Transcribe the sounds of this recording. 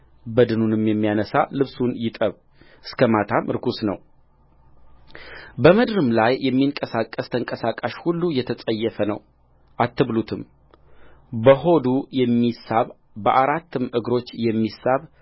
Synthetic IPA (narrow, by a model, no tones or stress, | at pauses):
bəd̪ɨnunɨmjɛmːijanəsa̰lɨβsunjɪt̪ʼəβ | ʔɨskʰəmat̪ʰamʔɨɾkʰusnəw | bəməd̪ɾɨmlajjːɛmːiŋkʼəsakʼːəst̪ʰəŋkʼəsakʼːaʃhulːujɛt̪ʰəsʼəjːɛfənə̰w | ʔat̪ːɨβlut̪ʰɨm | bəɦo̞d̪ujɛmːisaβ | bəʔaɾat̪ːɨmɨɡɾo̞t͡ʃːjɛmːisaβ